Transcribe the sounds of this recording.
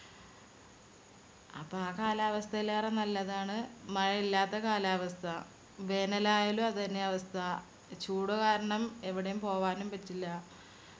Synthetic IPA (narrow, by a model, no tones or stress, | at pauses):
ɐ̰pːɐaːkaːlaːʋɐst̪ʰɐilaːrenɐlːɐðaːɳɨmɐɻɐilːaːt̪ːɐkaːlaːʋɐst̪ʰɐ | ʋe̞ːnɐlaːjɐlumɐðɨt̪ɐnːe̞ɐʋɐst̪ʰɐ | t͡ɕuːɽukaːɾɐɳɐme̞ʋiɽejumpo̞ːʋaːnumpɐtːilːɐ